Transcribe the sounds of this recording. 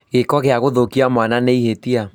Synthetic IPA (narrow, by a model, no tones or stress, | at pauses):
ɣekɔɣeaɣoðokiamwananeihetia